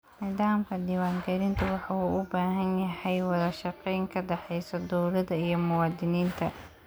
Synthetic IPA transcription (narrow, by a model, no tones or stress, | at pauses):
nɪːðaːmkʰɐd̪iːwaːŋɡɛɾɪnt̪ʰɐwɑħɑuːʔʊbaːɦɐnjɐhɛjwɑðɐʃɑqɛjŋkʰɐɖɛħɛjsɔd̪uwlɐðɐijɞmʊwɑːd̪ɪniːnt̪ʰɐ